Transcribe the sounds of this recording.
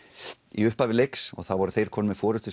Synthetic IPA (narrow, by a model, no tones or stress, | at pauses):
iʏhpavɪlejksɔ̰ɣθawvɔɾʏθejɾ̥kʰɔːnmɛ̥fɔːɾʏt̪ʏs